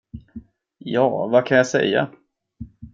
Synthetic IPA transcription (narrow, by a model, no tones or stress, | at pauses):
jɑːvakʰanjasɛ̰jːa̰